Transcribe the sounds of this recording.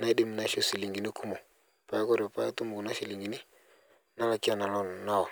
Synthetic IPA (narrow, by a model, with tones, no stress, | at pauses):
na˦i˦dɪ˦m˨na˨˦ʃo˦si˨li˨ŋɡi˨nɪ˦ku˦mo˨ | pa˨ja˦kɔ˦ɾɔ˨pa˨˦a˦tu˦mʊ˨kna˦ʃi˨li˨ŋɡi˨nɪ˦ | na˦la˦kɪ˦a˦na˨lɔ˦n˨na˦wa˨